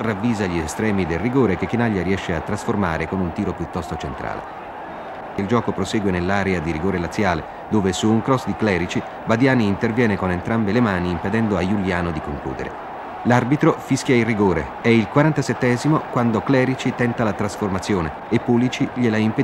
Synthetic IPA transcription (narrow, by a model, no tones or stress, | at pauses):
ravːiːzaʎiest̪ɾɛːmid̪elrːiɡoːɾekek̟ːinaʎːaɾiɛʃːeat̪ːɾasforma̰ːɾekonunt̪iːɾopjut̪ːɔst̪ot͡ʃent̪ɾa̰ːlḛ | ild͡ʒɔːkopɾoseːɡwenelːaːɾɛad̪iɾiɡoːɾelat̪sːjaːle | d̪oːvesuːŋkɾɔsd̪iklɛːɾit͡ʃi | bad̪jaːniːnt̪ervjɛːnekonent̪ɾambelemaːniːmped̪ɛnd̪oajuljaːnod̪ikoŋklṵːd̪ḛɾʔḛ | larbit̪ɾofiskjailriɡoːɾḛ | ɛilkwaɾant̪asɛt̪ːɛːzimokwand̪oklɛːɾit͡ʃit̪ɛnt̪alat̪ɾasformat̪sːjoːneːpːulit͡ʃiʎelaimpe